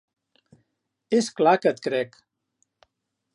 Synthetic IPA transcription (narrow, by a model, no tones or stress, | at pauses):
esklakət̪̚kɾɛk